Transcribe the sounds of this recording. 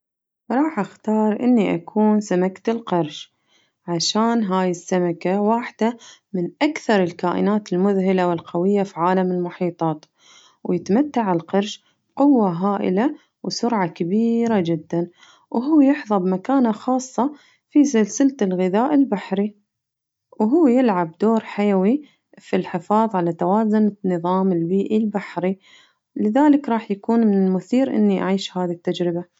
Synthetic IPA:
ɾˤɑːħʔaxt̪ɑːɾˤʔɪ̰nːiʔa̰kʰuːnsamakt̪ɪlqɑɾˤʃ | ʕaʃaːnɦaːjɪsːamakawaːħd̪̥amɪnʔakθɑɾˤɪlkaːʔɪ̰naːt̪ɪlmʊðɦɪlawɪlqɑwɪjːafiʕaːlamɪlmʊħiːt̪ˤɑːt̪ | wjɪt̪mat̪ːaʕɪlqɑɾˤʃ | b̥qʊwːaɦaːʔɪ̰la | wsʊɾʕɑkabiːɾad͡ʒɪd̪ːan | wɦuːjɪħðˤɑbmakaːnaxɑːsˤːɑ | fisɪlsɪlt̪ɪlɣɪðaːʔɪlbaħɾi | wɦuːjɪlʕabd̪oːɾħajawi | filħɪfɑːðˤʕalat̪awaːzʊnnɨðˤɑːmɪlbiːʔilbaħɾi | lɪðaːlɪkɾˤɑːħjakuːnmɪnɪmʊθiːɾʔɪ̰nːiʔaʕiːʃhaːðit̪ːad͡ʒɾɪba

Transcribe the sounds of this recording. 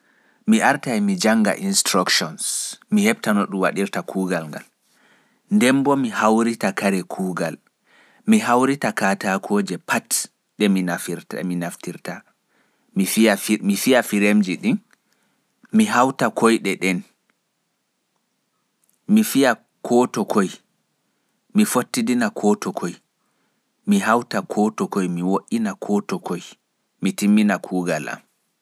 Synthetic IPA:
miʔaɾtajmid͡ʒaŋɡa̰ʔinstɾakʃɔnsmihɛb̚tanɔɗumwa̰ɗiɾtakʰuːɡalŋɡa̰l | ndɛmbɔmihawɾitakaɾɛkʰuːɡal | miɦawɾitakatakʰɔːd͡ʒɛpʰat | ɗɛminafiɾminaftiɾta | miamifijafiɾemd͡ʒiɗin | miɦawtakʰojɗɛɗɛn | mifija | kʰɔtɔkʰoj | mifotːidinakʰɔtɔkʰoj | miɦawtakʰɔtɔkojmiwoʔinakʰɔtɔkʰoj | mitimːinakʰuːɡala̰m

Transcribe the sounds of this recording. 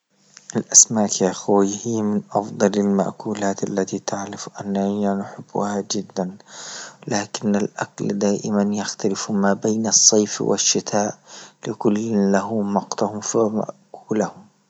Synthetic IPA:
ʔalʔasmaːʔkjaxwihɪjːmɪnʔɑfd̪ˤɑlalma̰ʔkuːlaːt̪ʔa̰lːat̪it̪aʕlɪfʔanːahanʊħɪb̥ːʊ̰had͡ʒɪd̪ːan | laːkɪnːalʔa̰kld̪aːʔɪmanjaxt̪alɪfmaːbajnɑsˤːɑjfwɪ̰ʃːɪt̪ʰaːʔlɪkʊlːlaɦʊmmɑqt̪ʊhʊmfama̰ʔkuːlahʊm

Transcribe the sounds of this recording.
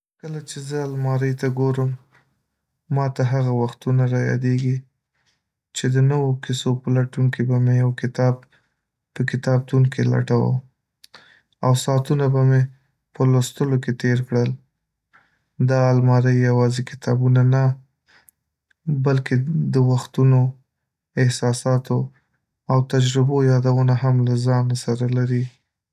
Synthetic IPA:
kəlat͡ʃezəalmɑɾəjt̪aɡoɾəm | ɑt̪aɦaɣawaxt̪unaɾɑjɑ̰d̪eɡi | t͡ʃed̪ənəwokɪsopəlaʈuŋkibamejawkɪt̪ɑb̚ | pəkɪt̪ɑb̚t̪uŋkela̰ʈawə̰ | awsɑt̪unabame | pəlost̪əloket̪eɾkɽəl | d̪ɑːlmɑɾəjːawɑzekɪ̥t̪ʰɑbunana | balked̪əwaxt̪uno | ɪhsɑsɑt̪o | awt̪ad͡ʒɾɪbojɑd̪awənaɦamlazɑnasaɾalaɾi

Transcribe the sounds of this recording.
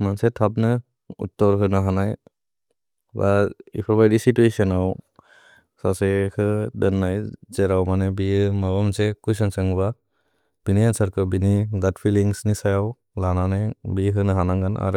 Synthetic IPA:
mansɛt̪ʰabnɯ | ṵtːɔɾɦɯnaɦanaj | baḭpʰɔbajdisituesɔnaw | sasekʰɯdɯnːajzɛɾawmanɛbijɯmabamsɛkujsansaŋba | b̥iniansaɾkɯbiniɡatpʰiliŋsnisajaw | lananabikʰɯnɯɦanaŋɡana̰ɾ

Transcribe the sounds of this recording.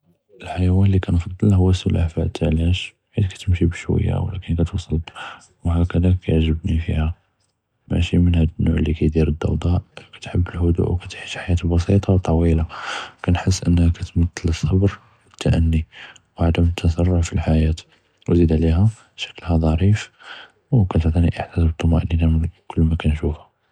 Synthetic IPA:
əlħajwænlikænfɑd̪ˤːəlhʊwːæsʊlʔafæ̰ʔt̪ʰalæʃ | ħid̪kæ̥t̪əmʃibəʃwə̰jːæ̰wlæ̰kənkæt̪wsˤɑl | whækəd̪ækʰæjəʕʒəbnifihæ | mæ̰ʃimənhæd̪ənːuʕlːikæjd̪iɾəd̪ːɑ̰wd̪ˤɑʔkæ̥t̪ħəbːəlhʊd̪ṵʔwkæt̪ħiʃħajæt̪bɑsit̪ˤɑwt̪ˤːɑwilakænħəs̬ːʔə̰nːhækæt̪mət̪ːələsˤːɑbɾ | wət̪ʰːaʔənːi | wʕad̪əmt̪ʰːəsɑrˤːʊʕfilħajæt̪ | wzid̪ʕliɦæ | ʃæ̥kːəlhæd̪ˤɑɾif | wkæt̪əʕt̪ˤiniʔəħt̪æsbət̪ˤːʊmæʔninæmənkʊlːmækænʃufæ

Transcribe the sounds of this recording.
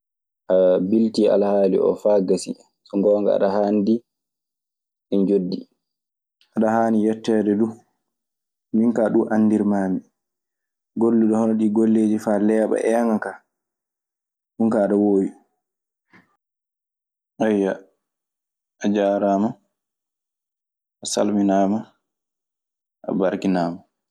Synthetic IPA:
ʔabiltiʔa̰lhaːlḭʔɔ̰faːɡasḭ | sɔŋɡɔːŋɡa̰a̰ɗaɦandi | ʔɛnd͡ʒodːi | ʔaɗahaːnijɛtːɛɗɛdu | miŋkaːɗuʔanːdiɾmaːmi | ɡolːuɗɔhɔnɔɗiɡolːeːd͡ʒifaːlɛaɓa̰ʔɛaŋaka | huŋkaːɗɔwoːwi | ajːa | ʔad͡ʒaːɾama | ʔasa̰lminaːma | ʔa̰baɾkinaːma

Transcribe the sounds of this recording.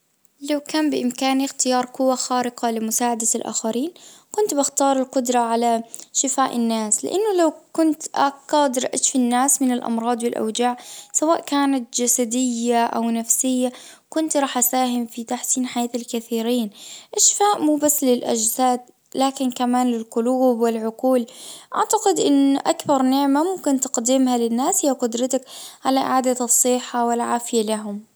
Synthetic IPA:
lawkaːmbɪʔɪmkaːnɪxt̪ɪjɑːɾˤqʊwːaxaːɾɪqɑlɪmʊsaːʕad̪alʔa̰ːxaɾiːnkʊnt̪bɪxt̪ɑːɾˤɪlqʊd̪ɾˤɑʕalaʃɪfaːʔɪnːaːslɪ̰ʔanːʊlawkʊnt̪ʔaqɑd̪ɪɾʔaʃfinːaːsmɪnɪlʔɑ̰mɾˤɑːd̪ˤwɪlʔa̰wd͡ʒaːʕsawaːʔkaːnat̪d͡ʒasad̪ɪjːaʔawnafsɪjːa | kʊnt̪ɾˤɑːħʔasaːɦɪmfit̪aħsiːnħajaːt̪alkaθiːɾiːnʔaʃfaːʔmuːbasːlɪlʔa̰d͡ʒsaːd̪ | laːkɪnkamaːnlɪlqʊluːbwɪlʕʊquːlʔaʕt̪aqɪd̪ʔɪnʔakbɑɾˤnɪʕmamʊmkɪnt̪ɑ̥qd̪iːmhalɪnːaːshijːaqʊd̪ɾɑt̪akʕalaʔɪ̰ʕaːd̪asˤːɨħawɪlʕaːfɪjalaɦʊm

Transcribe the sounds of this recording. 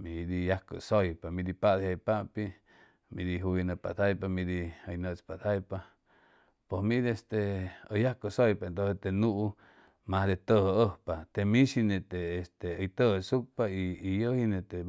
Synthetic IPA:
mĩd̪ijahkə̰sojpamĩd̪ipad̪hajpaʔpi | mĩd̪iɦujnəpa̰t̪ʰajpamĩd̪iəjnət͡spat̪ʰajpa | posmĩd̪iest̪eəjahkəsojpaent̪oset̪enuʔu | mahd̪et̪əhəəhpat̪emĩʃinet̪eːst̪eəjt̪əhəsuk̚paiːjəhinet̪e

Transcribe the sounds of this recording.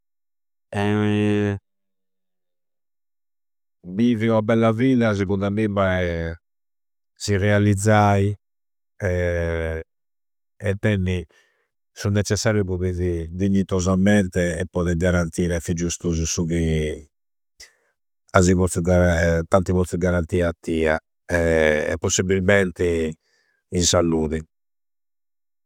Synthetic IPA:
ɛ | miviɔabɛlːaviːðasɛɣund̪amima | sirɛalid̪zːai | ɛ | ɛt̪ːɛnːi | sunːɛt͡ʃːɛsːaːɾjuβoβeðid̪iɲːit̪ɔzamɛnt̪ɛɛpːɔðɛɡaɾant̪iːɾɛfid͡ʒːust̪uzusuɣi | azivɔɾiɡaɾt̪ant̪ivɔiɡaɾant̪iːat̪ːiːa | ɛɛ̰pːosːibilmɛnt̪i | insalːuːði

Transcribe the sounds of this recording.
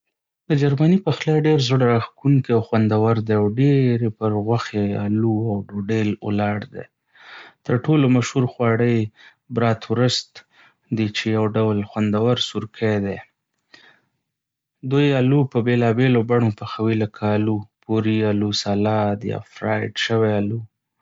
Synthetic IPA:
d̪əd͡ʒaɾmanipaxlɑjɖeɾzəɽaɾaxkuŋkiawxwand̪awaɾd̪eawɖeɾepəɾɣwaxea̰luawɖoɖelə̰lɑɽd̪ḛ | t̪əɾʈolomaʃhuɾxwɑɽəj | bɾɑt̪wɾʊst̪ | d̪it͡ʃejawɖawlxwand̪awaɾsuɾkʰad̪e | d̪ujalupəbelɑbelobaɳopəxawiləkʰaːlupuɾialusɑlɑd̪jɑ̰fɾɑjɖʃəwealu

